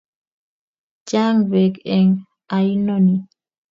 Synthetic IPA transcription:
d͡ʒa˦ŋbɛ˨ɡɛ˨ŋ | a˨i˦no˦ni˨

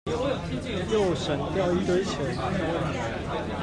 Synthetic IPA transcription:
jo˥˩ʊʂə˨˩nt̪jɑ˥˩ʊi˥t̪we˥ɪt͡ɕʰɛ˨˥˦

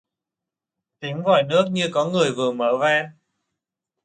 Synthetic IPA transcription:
t̪i˨˦ŋ̟vɔ̰˧˩jnɨ˦˥ək̚ɲɨ˧kɔ˨˦ŋɨ˨˩əjvɨ˨˩əməː˧˩vɛː˧n

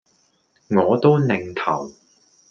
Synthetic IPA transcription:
ŋɔː˨˧t̪o˥wnɪ˨ŋt̪ʰɐ˨˩w

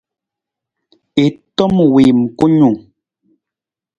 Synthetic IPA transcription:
e˨tɔ˦mwe˨m̩˨ko˦ɲu˨ŋ

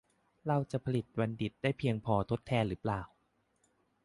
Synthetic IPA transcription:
ɾa˧wt͡ɕa˨˩pʰa˧li˨˩t̪̚wa˧ndi˨˩t̪̚daː˥˩jpʰi˧əŋpʰɔː˧t̪ʰo˦˥t̪ʰːɛː˧nɾɯː˩˦plaː˨˩w

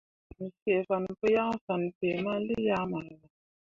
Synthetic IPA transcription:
n̩˨sɛ˨fa˨n̩˨pə˦ja˦ŋ˦fa˨n˨pe˨ma˦li˦ja˦ma˨la˨

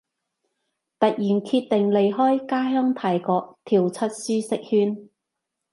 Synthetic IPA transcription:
t̪ɐ˨k̚jiː˨˩nkʰiː˧t̚t̪ɪ˨ŋle˨jɦɔː˥jkaː˥ɦœː˥ŋt̪ʰaː˨˩jkɔː˧k̚t̪ʰiː˨˩wt͡sʰɐ˥t̚syː˥sɪ˥k̚hyː˥n

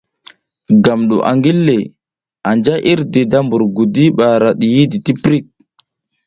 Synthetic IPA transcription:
ɡa˨mɗṵ˨ʔa̰˨ŋɡi˦lːe˨ | a˨nd͡ʒa˦ʔi˦ɾde˨da˦mbu˨ɾɡu˨di˦ɓa˨ɾa˨ɗi˨ji˦di˨ti˦pɾi˦k̚

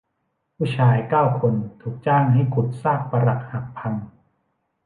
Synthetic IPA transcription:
pʰuː˥˩t͡ɕʰaː˧jkaː˥˩wkʰo˧nt̪ʰuː˨˩k̚t͡ɕaː˥˩ŋɦa˥˩jkʰu˨˩t̪̚saː˥˩k̚pa˧ɾa˨˩k̚ha˨˩k̚pʰa˧ŋ

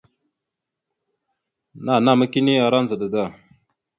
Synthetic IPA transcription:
na˦˨na˦˨ma˦ki˦ni˦a˨ɾa˦n˨zə˨ɗə˨da˦˨

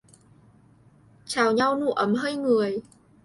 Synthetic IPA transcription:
t͡ɕaː˨˩wɲa˧wnu˧˩ʔə˨˦mɦəː˧jŋɨ˨˩əj

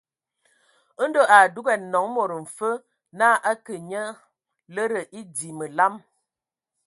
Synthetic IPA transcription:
ə˦n̩˦do˦ʔa˨du˦ɡɛ˨nɔ˨˦ŋmo˨ɾə˨m̩˨fə˦ | naː˦ʔa˦kə˨ɲə˦ | lə˦ɾə˨ʔi˦di˨mə˨la˦m

